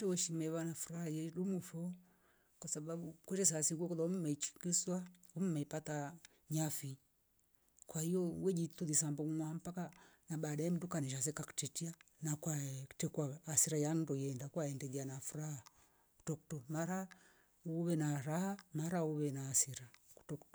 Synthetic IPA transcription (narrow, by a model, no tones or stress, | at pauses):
ɛwɛʃimɛβanafuɾahajɛɗumufɔ | kwasaɓaɓukwɛtɛs̬asiŋɡuɛkɔðaumumɛit͡ʃi̥kiswaumumɛipata | ɲafi | kwahijɔwɛd͡ʒituðis̬ambɔmuŋwam̩pakanaɓaɗaɛm̩dukaniʃ̬as̬ɛkaku̥tɛtianakwatɛkwaːsiɾajandɔjɛndakwaɛndɛðianafuɾaha | ku̥tɔktɔmaɾa | uβɛnaɾahamaɾauβɛnaːsiɾaku̥tɔktɔ